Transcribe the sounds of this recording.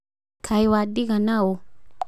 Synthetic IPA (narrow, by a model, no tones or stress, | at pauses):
kʰajwadikanao